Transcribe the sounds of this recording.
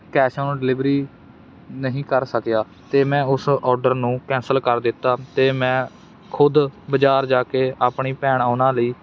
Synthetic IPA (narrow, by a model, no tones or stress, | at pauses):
kɛːʃãːnũːɖɪlɪbɾiː | nəɦĩːkəɾsəkjaː | t̪eːmɛ̃ːʊsɔːɾɖəɾnũːkɛ̃ːnsəlkəɾd̪ɪt̪ːaːt̪eːmɛ̃ː | kʰʊd̪bəd͡ʒaːɾd͡ʒaːkeːʔaːpɳiːpɛːɳaːnãːləiː